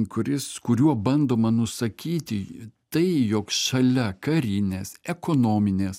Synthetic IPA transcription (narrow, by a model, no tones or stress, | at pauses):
kʊɾʲɪskʊɾʲuɔbɐnd̪oːmɐnʊsɐkʲiːt̪ʲɪt̪ɐɪjokʃɐlʲɛkɐɾʲɪnʲeːsɛkoːnoːmʲɪnʲeːs